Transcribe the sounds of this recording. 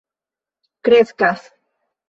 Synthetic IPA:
kɾeskas

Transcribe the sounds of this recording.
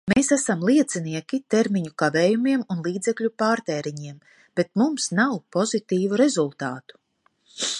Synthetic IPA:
meːsæsamlˠiɛt̪siniɛkʲit̪eɾmiɲukaveːjumiɛmunlˠiːd̪zeklʲupaːɾt̪eːɾiɲiɛm | b̥e̞t̪mumsnawpɔzit̪iːvuɾe̞zulˠt̪aːt̪u̥

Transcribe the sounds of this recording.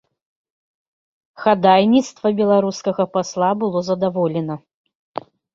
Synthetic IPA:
xad̪ajnʲit̪st̪vɐbʲɛlˠaɾuskɐɣɐpaslˠabɨlˠɔzɐd̪avɔlʲɛnɐ

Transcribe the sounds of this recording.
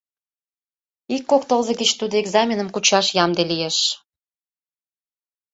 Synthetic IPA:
ikːokt̪əlzə̆ɡət͡ɕt̪ud̪oeɡzɑmʲinəmkut͡ɕɑʃjɑmd̪elijeʃ

